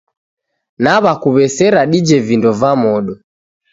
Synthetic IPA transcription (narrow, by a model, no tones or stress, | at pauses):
naβakuβɛsɛɾaɗid͡ʒɛvindɔvamɔɗɔ